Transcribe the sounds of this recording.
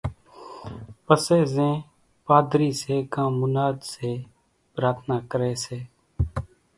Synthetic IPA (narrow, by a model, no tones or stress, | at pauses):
pəseːzẽː | paːd̪ɾiːseːkãːmʊnaːd̪seː | pɾaːt̪ʰnaːkəɾeːseː